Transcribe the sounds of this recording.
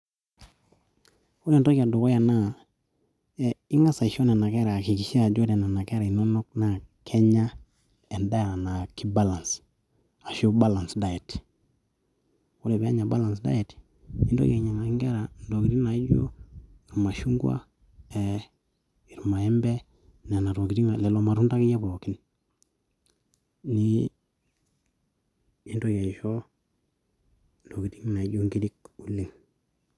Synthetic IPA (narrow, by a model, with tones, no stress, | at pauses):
u˦lɛ˨ndɔ˦ki˨a˨do˨kɔ˦ja˨na˦ | i˦ŋa˦sa˨i˨ʃɔ˦nɛ˨na˨kɛ˦ɾa˨ki˨ki˨ʃɛ˦a˨d͡ʒo˦dɛ˨na˨na˨kɛ˦ɾa˨i˨nɔ˦nɔ˦k̚na˨kʰɛ˦ɲa˦ | ɛ˨nda˦˨na˨na˨ki˦ba˦la˨ns | a˨ʃo˦ba˦la˨nsda˦jɛ˨t | u˦lɛ˨bɛ˨˦a˦ɲa˨ba˦la˨ns̬da̰˦jɛ˨t | i˦ndɔ̰˦ka˨ɲa˨ŋa˨˦ŋɡɛ˦ɾa˨ndo˨ki˨ti˦ŋna˨i˦ɟo̰˦i˨ɾma˨ʃu˦ŋɡwa̰˦ | ɛ˨ | i˨ɾma˨ɛ˦mbɛ˦ | ne˨na˨to˨ki˨ti˦ŋa˨lɛ˨lo˨ma˨ɾu˦nda˦ki˦jɛ˦po˨ki˦n | ni˦ | i˦ndo˦ɡe˨ʃo˦ | ndo˨ki˨ti˦ŋna˨i˦ɟo˦ŋɡi˦di˦ku˦li˦ŋ